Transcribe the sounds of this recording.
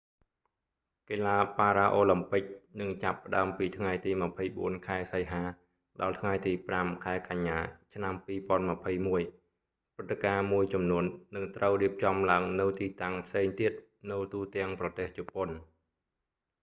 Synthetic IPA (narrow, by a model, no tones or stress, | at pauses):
keːlaːpaːɾaːʔoːlɨmpɨk̚nɨŋt͡ɕapːə̆ɗa̰əmpiːt̪ʰŋajt̪iːmə̆pʰəjɓuənkʰaɛsəjɦaː | ɗɑlt̪ʰŋajt̪iːpramkʰaɛkaɲːaːt͡ɕʰnampiːpŏənmə̆pʰəjmuəj | prɨt̪ːekaːmuəjt͡ɕɑmnuənːɨŋt̪rəwriəp̚t͡ɕɑmlaəŋnɨwt̪iːt̪aŋpʰseːŋt̪iət̪̚ | nɨwt̪uːt̪ɛ̆əŋprɑt̪eːht͡ɕupon